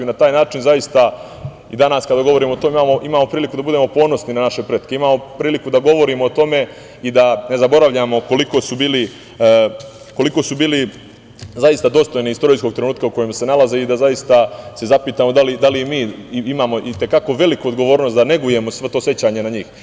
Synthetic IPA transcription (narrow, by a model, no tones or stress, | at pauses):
junat̪aːjnaːt͡ʃinzajist̪a | id̪anaskad̪aɡo̞ʋo̞ɾiːmot̪omeimaːmo̞ʔimaːmo̞pɾiːlikud̪abud̪e̞mo̞po̞ːno̞sninanaʃe̞pɾeːt̪ke̞imaːmo̞pɾiːlikud̪aɡo̞ʋo̞ɾiːmo̞ːt̪o̞me̞ | id̪ane̞zabo̞ɾaʋʎamoko̞liko̞subiːli | ko̞liko̞subiːli | zajist̪ad̪o̞st̪o̞jneist̪o̞ɾiːskoɡ̚t̪ɾenuːt̪̚kauko̞jemse̞nalaze̞id̪azajist̪ase̞zapiːt̪aːmo̞d̪alid̪alimiːimaːmo̞ʔit̪e̞kako̞ʋe̞likuod̪ɡo̞ʋo̞ːɾnost̪d̪ane̞ɡuje̞mo̞sʋet̪oːsje̞t͡ɕaːɲe̞naɲiːx